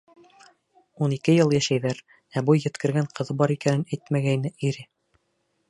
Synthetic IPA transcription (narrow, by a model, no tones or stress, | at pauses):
unikɘjɤlˠjæʃæjðæɾ | æbujːɘ̆t̪kɘ̆ɾɡæɴqɤ̆ðɤbɑɾikænɘnæjt̪mæɡæjnɘʔiɾɘ